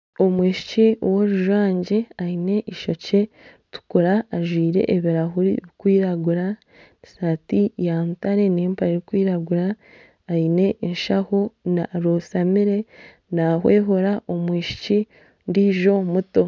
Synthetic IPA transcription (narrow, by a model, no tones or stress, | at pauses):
omwiːʃi̥ciowoɾuʒwaːɲɟeaine̞ʔiʃo̞ce̞ | tu̥kuɾaːʒwiːɾe̞̰ʔːβiɾaɦuɾḭβikwiːɾaɡuɾa | ni̥satijantaɾe̞neːmpaɾeɾikwiːɾaɡuɾaː | ine̞inʃaho̞naɾosamiɾe̞ | naɦweːɦoɾaʔo̞mwiːʃi̥ci | ndiːʒo̞muto̞